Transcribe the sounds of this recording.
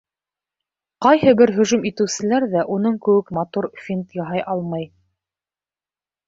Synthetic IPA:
qɑjhɤbɘɾɦɵ̆ʒɵmit̪ɘ̆wsɘ̆læɾðæʔunɤɴkɵ̆wɘkmɑt̪uɾfʲint̪jɑɦɑjʔɑlˠmɑj

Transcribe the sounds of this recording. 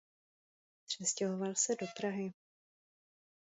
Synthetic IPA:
pr̝̥ɛscɛɦo̞valsɛdo̞pɾaɦɪ

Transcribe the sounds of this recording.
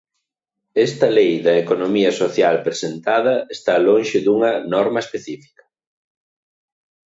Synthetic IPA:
ɛst̪ɐlejðɐekonomiɐsoθjalpɾesent̪að̞ɐest̪alõnʃɪðuŋɐnɔɾmɐespeθifi̥kɐ̥

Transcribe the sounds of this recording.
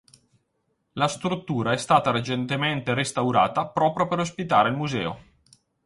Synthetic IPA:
last̪ɾut̪ːuːɾaɛst̪aːt̪aɾet͡ʃent̪ement̪eɾest̪awɾa̰ːt̪apɾɔːpɾjopeɾospit̪aːɾeilmuzɛːo̰

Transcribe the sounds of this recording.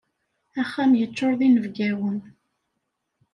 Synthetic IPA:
æχːæmjət͡sːoɾðˤinəvɡæwən

